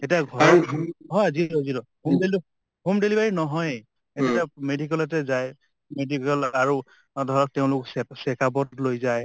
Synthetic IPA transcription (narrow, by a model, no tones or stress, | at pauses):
etiaɡʱɔɹɔɦɔjzilɔzilɔhumdeli | humdelibaɹinɔɦɔj | etamedikɔlɛt̬ɛzaj | medikɔlaɹu | dʱɔɹɔk̚teʊ̃lʊksɛkabɔtlojzaj